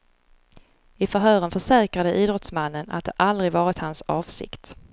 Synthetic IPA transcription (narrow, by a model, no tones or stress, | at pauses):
ɪfœɾɦœːɾənfœʂɛːkɾad̪əʔiːd̪ɾɔt̪smanːəna̰t̪̚d̪ɛ̰ʔald̪ɾɪɡvɑːɾɪt̪hansɑːvsɪ̰kt̪